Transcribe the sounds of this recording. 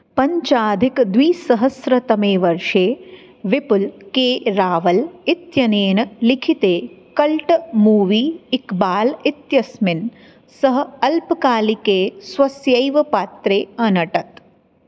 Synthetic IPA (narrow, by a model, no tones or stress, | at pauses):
pɐɲt͡ʃaːd̪ʱikd̪ʋiːsɐɦɐsɾɐt̪ɐmeːʋɐɾʂeː | ʋipulkeːɾaːʋɐlit̪jɐneːnɐlikʰit̪eːkɐlʈmuːʋiːikbaːlit̪jɐsmɪn | sɐɦɐ̆ɐlpkaːlikeːsʋɐsjɐjʋɐpaːt̪ɾeːɐnɐʈɐt̪